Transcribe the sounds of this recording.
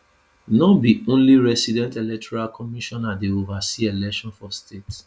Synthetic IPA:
nɔbiõnliɹɛsidɛ̃ntelɛk̚tɔɹalkʰɔmiʃɔ̃nadeovasielɛkʃɔ̃nfɔstets

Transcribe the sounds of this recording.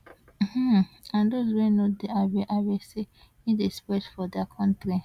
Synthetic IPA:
m̩hm̩ãndozwenodeabeʔabese | nĩdespɛtfɔdakʰɔ̃ntɾĩ

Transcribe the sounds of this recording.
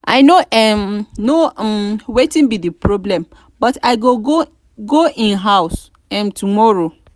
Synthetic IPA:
ʔa̰ɪnoʔɛmnomwetĩnbidipɹɔblɛ̃m | bɔtaɪɡoɡo | ɡoĩnɦaʊs | ɛ̃mtʰumɔɹo

